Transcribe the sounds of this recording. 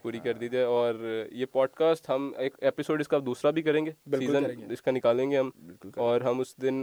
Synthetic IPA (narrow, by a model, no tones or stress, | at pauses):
puːɾikɐɾd̪iːd͡ʒaːɛɔːɾjeːpɔːɖkaːsʈɦɐmeːkeːpɪsoːɖɪskaːp̚d̪uːsɾabʱikɐɾẽːŋɡeːbɪsiːzənɪskanɪkaːlẽːŋɡeɦɐmbɪlkʊɔːɾɦɐmʊsd̪ɪn